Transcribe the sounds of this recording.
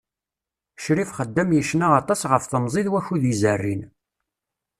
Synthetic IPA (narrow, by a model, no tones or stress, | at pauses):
ʃɾifχəd̪ːæmjəʃnaɑt̪ˤɑsʁəfθəmzˤiðwæçuðizərːin